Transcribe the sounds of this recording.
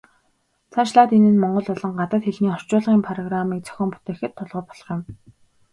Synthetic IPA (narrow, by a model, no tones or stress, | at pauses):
t͡sʰaʃɮaːt̪enɘ̆nmɔɴɢɞ̆ɮpɔɮɞ̆ŋɢat̪ə̆t̪xeɮniːχɔr̥t͡ɕʊːɮʁiːmpʰarɔɣramiːk̚t͡sœ̥xʲɪ̆ːmpu̥t̪eːxɘ̆t̪ʰːɔɮʁɞ̆ːpɔ̥ɮ̥ɞ̆χjɪ̆m